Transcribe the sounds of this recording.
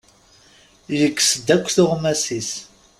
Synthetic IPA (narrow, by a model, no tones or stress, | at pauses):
jəkːsd̪ækʷːθʊʁmæsis